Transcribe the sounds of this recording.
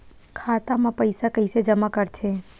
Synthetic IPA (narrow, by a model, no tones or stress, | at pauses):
kʰaːt̪amãpəɪsakəɪsed͡ʒəmakəɾt̪ʰe